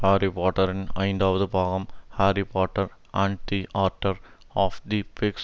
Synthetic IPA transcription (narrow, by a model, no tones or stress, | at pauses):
haːɾipaːʈɐɾɪnɐ̰ɪ̃nd̪aːʋɐðɯbʱaːɡɐmhaːɾipaːʈːɐɾ | ãːɳɖd̪iʔaːɾʈɐɾ | aːfd̪ipeks